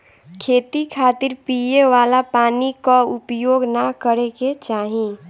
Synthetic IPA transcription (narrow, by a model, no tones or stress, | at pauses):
kʰeːt̪ikʰaːt̪ɪɾpijeʋaːlapaːnikaʊpjoːɡnakəɾeket͡ʃaːɦĩ